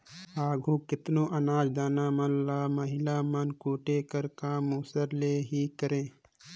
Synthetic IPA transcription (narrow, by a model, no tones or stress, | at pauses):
aːɡʱũkɪt̪noːʔɐnaːd͡ʒd̪aːnaːmənlaːməɦɪlaːmənkoːʈeːkəɾkaːmoːsəɾleːɦikəɾẽː